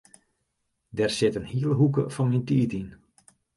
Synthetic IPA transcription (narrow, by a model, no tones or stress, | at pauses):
dɛrsɪtənhiələɦukəfɔnmintiətin